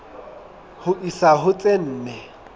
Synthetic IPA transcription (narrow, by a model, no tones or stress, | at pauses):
hʊʔisaɦʊt͡sʼen̩ːnɛ